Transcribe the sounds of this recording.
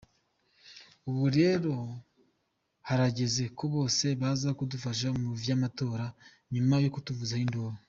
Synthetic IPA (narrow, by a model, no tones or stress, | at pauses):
uβuɾe̞ɾo̞ | haɾaɟe̞ze̞ko̞βo̞ːse̞βazakudufaʃ̬amuvjaːmato̞ːɾa | ɲumajokutuvuzahindoːɾo